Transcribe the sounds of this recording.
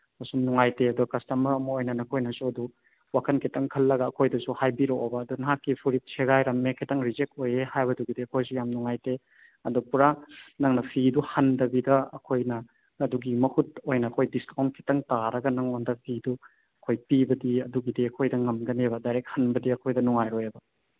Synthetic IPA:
mɐsumnɔŋajteɐduɡɐkɐstɐmɐɾɐmɐojnɐnɐkʰojnɐsuɐdu | wakʰɐnkʰitɐŋkʰɐlːɐɡɐɐkʰojdɐsuhajbiɾoobɐːdunaɦakːipʰuɾit̚sʰeɡajɾɐmːekʰitɐŋɾizek̚tojehajbɐduɡidiɐkʰojsujamnuŋajte | ɐdupuɾanɐŋnɐpʰiduhɐndɐbidɐɐ̰kʰojnɐː | duɡimɐhut̚ojnɐːkʰojdiskawnkʰi̥tɐŋtaɾɐɡɐnɐŋondɐpʰidu | ɐkʰojpibɐdiɐduɡidiɐkʰojdɐŋɐmɡɐnebɐdajɾek̚hɐnbɐdiɐkʰojdɐnuŋajɾojebɐ

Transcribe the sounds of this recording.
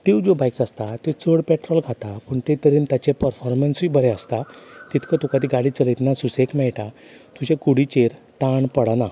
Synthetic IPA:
t̪iwd͡zobajksast̪at̪et͡səɽpɛʈɾɔlɡʱat̪apuɳt̪et̪əɾint̪jat͡ɕepəɾfɔɾmənsʋibəɾɛəst̪at̪it̪kət̪ukat̪̬iɡaɽiːt͡səlit̪nasusekmɛɭʈat̪ud͡ʑẽkuɽit͡ɕeɾ | t̪aɳpəɽana

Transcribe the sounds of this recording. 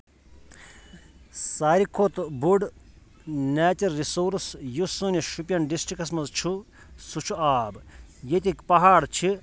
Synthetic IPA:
saːɾikʰot̪buɖ | nɛːt͡ʃɐlːisoːɾsjusunʲiʃupjɐnɖisʈɾikɐs̬mɐzt͡ʃʰu | sut͡ʃʰuaːbjet̪ikpɐɦaːɽt͡ʃʰi

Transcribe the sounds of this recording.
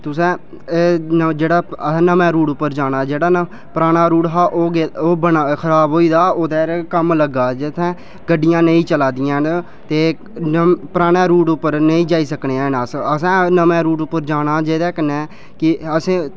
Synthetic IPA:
t̪ʊsɛ̃ː | d͡ʒeːɽaːə̃ːnəmɛ̃ːɾuːʈʊpːəɾd͡ʒaːnaːd͡ʒeːɽaː | pɾaːñaːɾuːʈɦaːʔoːɡeoːbənakʰəɾaːbɦoːiːd̪aːoːd̪ɛːɾkəmləɡaːd͡ʒɪt̪ʰːɛ̃ː | ɡəɖːɪjãːnəĩːt͡ʃəlaːd̪ɪjãː | t̪eː | pɾaːɽ̃aːɾuːʈʊpːəɾnəĩːd͡ʒaːiːsəkneːãːnaːsəsãːnəmɛ̃ːɾuːʈʊpːəɾd͡ʒaːnaːd͡ʒeːd̪ɛːkənɛː | kɪəsẽː

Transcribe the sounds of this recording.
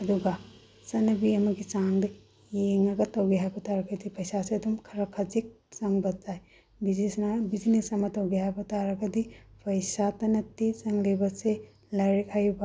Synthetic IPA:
ɐduɡa | sɐnɐbiɐmɐɡit͡ʃaŋdɐ | jeŋɐɡɐtɐwɡeɦajbɐtaɾɐɡɐdipɐjsaseɐdumkʰɐɾɐkʰɐd͡ʒik̚ | t͡ʃɐŋbɐd͡ʒaj | biznesnɐbid͡ʒinesɐmɐtɐwɡehajbɐtaɾɐɡɐdipɐjsatɐnɐtːit͡ʃɐŋlibɐse | lɐɾikʰajba

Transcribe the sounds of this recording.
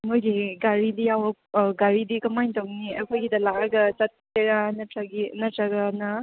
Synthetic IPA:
mojdiɡaɾidijawɐ | ɡaɾidikɐmajntowniɐkʰojɡid̪ɐlakaɡɐt͡ʃɐt̪̚ːeɾanɐɐɡinɐtɾɐɡɐnɐ

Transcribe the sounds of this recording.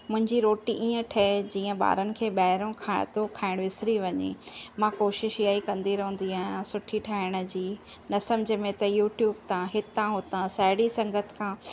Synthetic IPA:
mʊ̃ɦɪ̃ɲd͡ʑiɾoːʈiʔiːə̃ʈʰɐd͡ʑĩːə̃ɓa̰ːɾənɪ̆kʰeːɓaːɦɪɾõkʰaːɪt̪okʰaːɪɽ̃ʋɪsɾiʋɐɲḛmãkoːʃɪʃjaːikɐ̃nd̪iɾɐɦũːnd̪iasʊʈʰiʈʰaːɪɽ̃̆d͡ʑiː | nɐsɐ̃md͡ʑʱə̆mẽt̪ɐjuːʈjuːbt̪ãɦɪt̪ãɦot̪ãsaːɪɽisɐ̃ŋɡət̪ʰkʰãː

